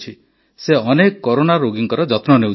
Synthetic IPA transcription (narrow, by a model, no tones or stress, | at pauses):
t͡ʃʰi | seɔnekɔkɔɾonaɾoɡiŋkɔɾɔd͡ʒɔt̪nɔneu